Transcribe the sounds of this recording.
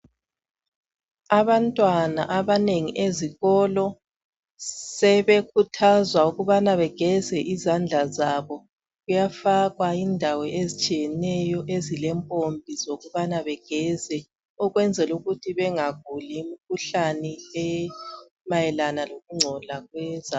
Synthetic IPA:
aβantʼwanaʔaβaneŋiʔeziɣɔlɔ | sɛβekʰutʰazwauɣuβanaβɛɡ̥ʱɛzɛʔizand͡ɮʱazaβɔ | ɣujafaɣwaindʱawɔezit͡ʃʼijɛnɛjɔʔezilɛmpʼombʱizoɣuβanaβɛɡ̥ʱɛzɛ | uɣwɛnd͡zʱɛluɣutʰiβɛŋaɣulimikʰuɬanɛɛ | majɛlanaloɣuŋ͡ǀʱɔlaɣwɛza

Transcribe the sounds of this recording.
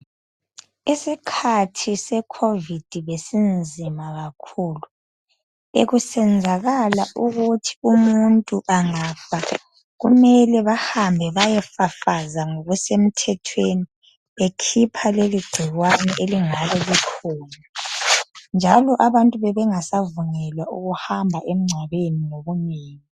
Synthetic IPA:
isikʰatʰisɛkʰovid̥ʱiβesind͡zʱimaɣakʰuːlu | eɣusɛnd͡zʱaɣalaʔuɣutʰi̥umuntʼuʔaŋafa | ɣumɛlɛβahambʱɛβajɛfafazaŋoɣusem̩tʰɛtʰweni | βekʰipʰaleliɡ͡ǀ̥ʱiɣwanɛʔeliŋaβɛlikʰɔːna | nd͡ʒʱalɔʔaβantʼuβɛβɛŋasavuŋɛlwauɣuhambʱaʔem̩ŋ͡ǀʱaβeninoɣumiːni

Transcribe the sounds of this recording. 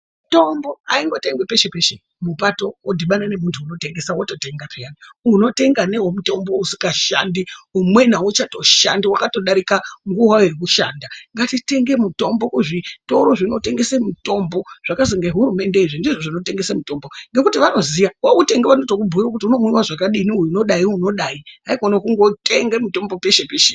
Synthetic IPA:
muto̞mbo̞aiŋɡo̞te̞ŋɡwepe̞ʃe̞peʃe̞ | mupato̞wodʱiɓanane̞muntʰuːno̞te̞ŋɡe̞sawoto̞te̞ŋɡapʰejaniuno̞te̞ŋɡane̞ɦomuto̞mbo̞usi̥kaʃa̰ndiumwe̞naut͡ʃato̞ʃa̰ndiwakato̞ɗaɾikaŋɡuwairik̬uʃaːndaŋɡatite̞ŋɡe̞muto̞mbo̞kuʐito̞ɾo̞ʐino̞te̞ŋɡe̞semuto̞mbo̞ʐ̥akaziŋɡeɦuɾume̞nde̞iʐindiʐoʐino̞te̞ŋɡe̞semuto̞mbo̞ŋɡe̞kutiʋano̞zijawaute̞ŋɡeʋanotokubʱuirakut̬iuno̞mwiwaʐakaɗiːniujuno̞ɗaiuno̞ɗaiɦaikonokuŋɡo̞te̞ŋɡemuto̞mbo̞peʃepeʃe

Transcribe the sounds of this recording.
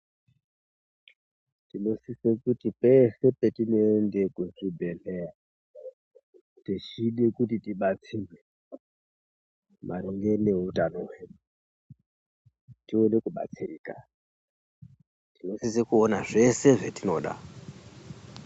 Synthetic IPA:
tino̞sisekutipe̞se̞petinoendekuʐibʱelera | tit͡ʃiɗekutitiɓat͡sire | mʔaɾiŋɡe̞ne̞ɦutanowe | tio̞ne̞kuɓa̰t͡siriːka | tino̞sisekuonaʐe̞se̞ʐetino̞̰ɗa̰

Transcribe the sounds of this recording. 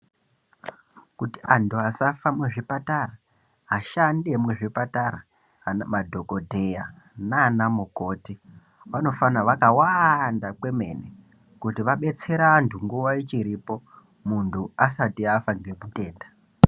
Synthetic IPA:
kutiantʰuasafamweʐipatara | ɦaʃandemweʐipataɾa | namadʱo̞ko̞dʱe̞ja | naːnamuko̞ːti | ʋano̞fanaʋakawandakwe̞me̞̰ne | kutiʋaɓe̞t͡se̞ɾaːntʰuŋɡuʋait͡ʃiɾipo̞ | muntʰuasatiafaŋɡe̞kute̞ːnda

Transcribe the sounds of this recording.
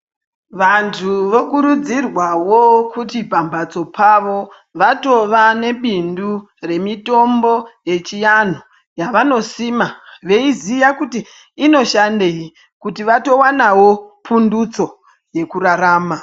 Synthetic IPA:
ʋantʰuʋo̞kuɾud͡zirwawo̞kutipambat͡so̞pʰaʋo̞ | ʋato̞ʋane̞ɓindu | re̞mito̞mbo̞je̞t͡ʃijan̤o | jaʋano̞siːmaʋe̞izijakutiː | no̞ʃandei | kutiʋato̞wanawo̞pʰundut͡so̞ | je̞kuraɾaːma

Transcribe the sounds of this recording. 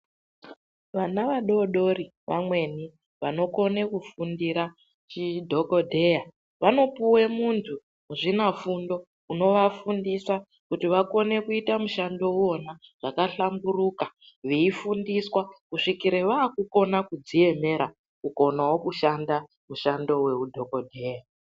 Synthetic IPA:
ʋanaʋaɗo̞ɗo̞ri | ʋa̰mwe̞ni | ʋano̞ko̞ne̞kufundiɾa | t͡ʃidʱo̞ko̞dʱe̞ja | ʋano̞puwe̞muntʰu | muʐinafundo̞ | uno̞ʋafundisa | kutiʋako̞ne̞kuitamuʃando̞uo̞naʐ̥akaɬamburuka | ʋeifundiswakuʂikiɾeʋaːkuko̞nakud͡zie̞me̞ɾa | kuko̞nawokuʃanda | muʃando̞we̞udʱo̞kodʱeja

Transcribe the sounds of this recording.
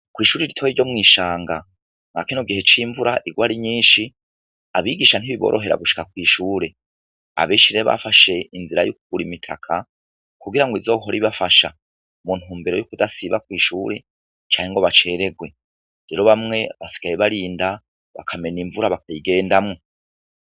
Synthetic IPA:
kwiːʃuːɾeɾitʰojiɟo̞mŋiːʃaːŋɡa | ŋɡa̰kinoɡihe̞t͡ʃiɱvuɾʔaʔiɡwaːɾiɲiːʃi | aβiɡiʃan̥iβiβo̰ːɾo̞̰ɦe̞ɾa̰ɡuʃi̥kakwiːʃuːɾe̞ | a̰βeːʃiɾeβa̰faʃe̞inziɾa̰juk̚uɡ̥uɾimitʰa̰kʰa | kuɡiɾaŋɡoizo̞ːɦoɾiβafaʃa | mun̥huːmbeɾo̞jukudasiβakwiːʃuːɾe̞ | t͡ʃaːɲeŋɡo̞βat͡ʃe̞ːɾe̞ɡwe̞ | ɾe̞ɾo̞βamŋe̞βasi̥ɡ̥ajeβaɾiːnda | βa̰kʰame̞niɱvuɾaβakajiɡe̞ːndamŋo

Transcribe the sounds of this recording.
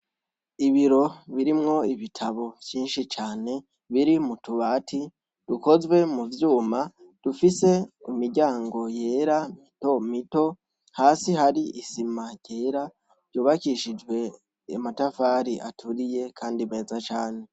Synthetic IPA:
iβiɾo̞βiɾimŋo̞iβitʰaβo̞vjiːnʃit͡ʃaːne̞ | βiɾimutuβaːtʰi | d̥uko̞zwe̞muvjuːma | d̥ufise̞umiɟaːŋɡo̞je̞ːɾamito̞mito̞ | haːsiɦaɾiʔisimaɟ̥e̞ːɾa | ɾɟoːβakiʃid͡ʒwe̞ | amatafaːɾiʔatʰuɾije̞kʰaːndime̞ːzat͡ʃaːne̞

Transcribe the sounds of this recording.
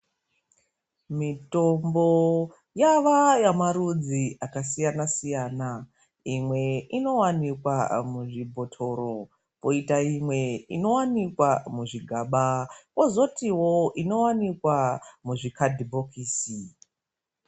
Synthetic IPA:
mito̞mbo̞ | jaʋajamaɾud͡ziʔakasijanasijaːna | imwe̞ino̞wanikwa̰muʐibʱo̞tʰo̞ɾo | poitaimwe̞ḭno̞wanikwamuʐiɡʱaːɓako̞zo̞tiwo̞ʔino̞wanikwamuʐikadʱibʱo̞kiːsi

